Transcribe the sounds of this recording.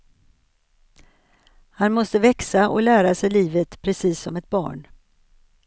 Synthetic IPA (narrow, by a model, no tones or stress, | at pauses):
hanmɔst̪əvɛksaʔɔ̰læːɾasɛjliːvət̪pʰɾɛsiːsːɔmɛt̪̚bɑ̰ːɳ